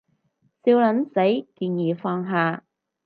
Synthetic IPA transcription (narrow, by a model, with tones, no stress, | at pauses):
siː˧wlɐ˨˥nsɐ˨˥jkiː˧njiː˨˩fɔː˧ŋɦaː˨˧